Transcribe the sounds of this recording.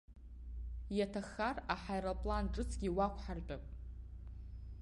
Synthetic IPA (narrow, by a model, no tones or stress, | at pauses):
jatʰaχaraħajɾapʼlanʈ͡ʂʼɨt͡sʰɡʲiwakʷʰħart͡pʷʼapʼ